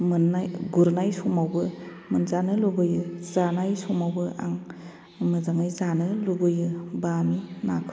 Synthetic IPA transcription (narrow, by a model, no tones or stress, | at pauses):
mɯnajɡuɾnajsumawbɯ | mɯnzanɯlubɯjɯzanajsɔmawbɯʔa̰ŋ | mɯzaŋɯjzanɯlubɯjɯbaminakʰ